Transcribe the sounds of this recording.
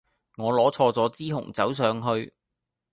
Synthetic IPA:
ŋɔː˨˧lɔː˨˥t͡sʰɔː˧t͡sɔː˨˥t͡siː˥ɦʊ̰˨˩ŋt͡sɐ˨˥ws̬œː˨˧ŋɦɵ˧ɥ

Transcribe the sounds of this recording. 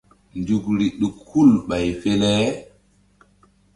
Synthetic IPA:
ndu˨kɾi˨ɗu˨khu˦lɓa˨jfe˦le˦

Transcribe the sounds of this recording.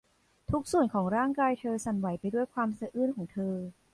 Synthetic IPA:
t̪ʰu˦˥k̚su˨˩ənkʰɔː˩˦ŋɾaː˥˩ŋkaː˧jt̪ʰɤː˧sa˨˩nwa˩˦jpa˧jdu˥əjkʰwaː˧msa˧ʔɯː˥˩nkʰɔː˩˦ŋt̪ʰɤː˧

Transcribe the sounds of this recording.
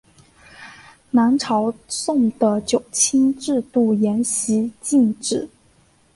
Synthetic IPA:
na˧˥nʈ͡ʂʰɑ˧˥ʊsʊ˥˩ŋd̪ə˨t͡ɕjo˨˩ʊt͡ɕʰi˥nʈ͡ʂɻ̩˥˧t̪u˥˩jɛ˧˥nɕi˧˥t͡ɕi˥˩˧nʈ͡ʂɻ̩˥˩

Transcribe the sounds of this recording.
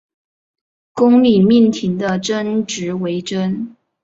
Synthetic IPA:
kʊ˥ŋli˨˩mi˥˩nt̪ʰi˧˥ŋd̪ə˧ʈ͡ʂə˥nʈ͡ʂɻ̩˧˥we˧˥ɪʈ͡ʂə˥n

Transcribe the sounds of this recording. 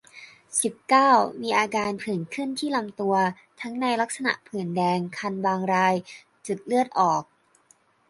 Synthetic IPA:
si˨˩p̚kaː˥˩wmiː˧ʔaː˧kaː˧npʰɯ˨˩˦nkʰɯ˥˩nt̪ʰiː˥˩la˧mt̪u˧ɐ | t̪ʰa˦˥ŋna˧jla˦˥k̚sa˧na̰˨˩ʔpʰɯ˨˩˦ndɛː˧ŋkʰa˧nbaː˧ŋɾaː˧j | t͡ɕɯ˨˩t̪̚lɯ˥˩ət̪̚ʔɔː˨˩k̚

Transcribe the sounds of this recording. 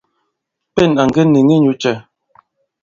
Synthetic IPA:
pɛ˦˨na˨ŋɡə˦ne˨ŋi˦ɲu˦t͡ʃɛ˦˨

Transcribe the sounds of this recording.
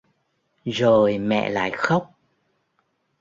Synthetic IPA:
zo˨˩jmɛ̰˧˨la̰ː˧˨jxə˦˥wk͡p̚

